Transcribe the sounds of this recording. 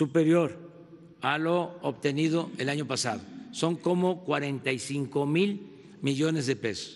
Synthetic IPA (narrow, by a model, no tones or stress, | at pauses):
supe̞ɾjo̞ɾ | aloːβt̪e̞niðo̞e̞laɲo̞pasa̰ðoso̞ŋko̞mo̞kwaɾe̞nt̪ajsiŋko̞mil | miʝo̞ne̞zðe̞pe̞so̥s